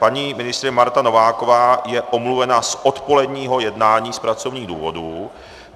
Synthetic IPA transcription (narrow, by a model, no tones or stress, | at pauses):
paɲiːmɪnɪst̪ɾɪmaɾt̪ano̞vaːko̞vaːjɛʔomluvɛnasʔo̞t̪po̞lɛdɲiːɦo̞jɛdnaːɲiːspɾat͡so̞vɲiːɣdṵːvo̞duː